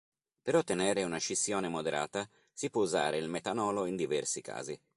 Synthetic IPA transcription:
peɾot̪ːeneːɾeunaʃisːjoːnemod̪eɾʔa̰ːt̪a | sipːwɔuza̰ːɾeilmet̪anɔːloind̪ivɛrsika̰ːzi

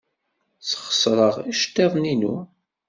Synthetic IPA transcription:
sχə̥sɾˤəʁæʃt̪ːeðˤninṵ

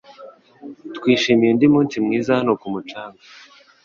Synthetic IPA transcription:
tkwiːʃimijendimuːnsimŋiːzahanokumut͡ʃaːŋɡa

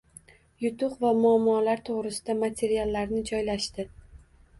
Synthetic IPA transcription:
jʊt̪ʰʊqvamʊamːɒlaɾt̪ʰoʁɾɪsɪd̪amat̪ʰe̞ɾialːaɾnɪd͡ʒɒjlaʃt̪ɪ

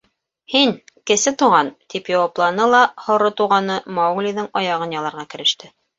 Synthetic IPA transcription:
hiŋkɘ̆sɘt̪uʁɑnt̪ipjɑwɑplˠɑnɤlˠɑhŏɾot̪uʁɑnɤmɑwɡlʲiðɤŋɑjɑʁɤnjɑlˠɑɾʁɑkɘ̆ɾɘ̆ʃt̪ɘ

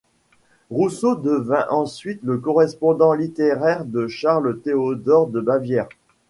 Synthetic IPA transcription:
ʁusod̪əvɛ̃ʔɑ̃sɥit̪ləkɔʁɛspɔ̃d̪ɑ̃lit̪eʁɛʁd̪əʃaʁlət̪eod̪ɔʁd̪əbavjɛʁ

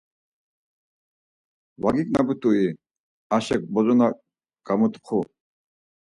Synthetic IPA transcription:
waɡikʼnabut̪ʼui | aʃɛk̚bɔzɔna | ɡ̥amut̪ʼqʰu

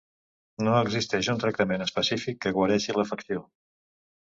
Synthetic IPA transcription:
noəɡzist̪ɛʃunt̪ɾək̚t̪əmenəspəsifikːəɣwəɾɛʃiləfəksio

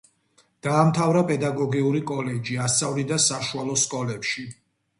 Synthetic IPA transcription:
d̪̥aːmt̪ʰavɾapʼɛd̪aɡɔɡiuɾikʼɔlɛd͡ʒiast̪sʼavlid̪asaʃualˠɔskʼɔlɛpʃi

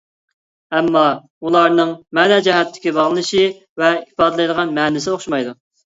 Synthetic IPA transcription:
ɛmːɑ | ulˠɑɾnɨŋmɛnɛd͡ʒɛɦɛt̪ʰːɪ̥kʲibɑʁlˠɨnɨʃi | vɛipɑːd̪ɨlˠɨjd̪əʁɑnmɛːnɪsɪoχʃumɑjd̪u

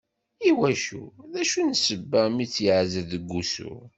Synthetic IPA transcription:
iwæʃṵðæʃunsəbːəmit͡sːjəʕzəðəɡːusṵ

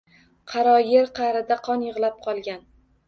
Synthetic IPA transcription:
qʰɑɾɒjeɾqʰɑɾɪd̪aqʰɒnjɨʁlˠap̚qʰɒlˠɡʲan

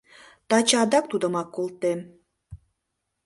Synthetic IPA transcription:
t̪ɑt͡ɕɑd̪ɑk̚t̪ud̪ə̆mɑkːolt̪em

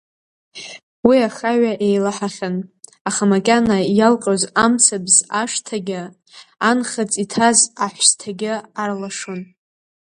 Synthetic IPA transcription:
wiaχaɥaʔejlaħaχʲan | aχamakʲʼanajalqʼozamt͡sʰabzaʂtʰaɡʲɪ | anχat͡sʼitʰazaħʷstʰaɡʲɪarlaʂon

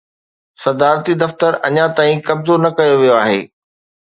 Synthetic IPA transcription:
sɐd̪aːɾt̪id̪ɐft̪əɾɐ̰ɲãt̪aːĩkɐbzonɐkɐjoʋijoaːɦḛː

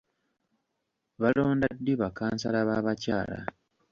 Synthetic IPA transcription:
βalo̞ːndadːiβakaːnsalaβaβacaːla̰

